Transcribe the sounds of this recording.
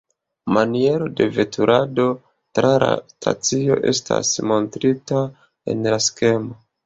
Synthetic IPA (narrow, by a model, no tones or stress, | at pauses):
manie̞ɾo̞de̞ve̞tʰuɾʔado̞ | tɾʔala̰stʰa̰t͡sio̞̰ʔe̞̰stʰa̰smo̞ntɾita | e̞̰nlaske̞mo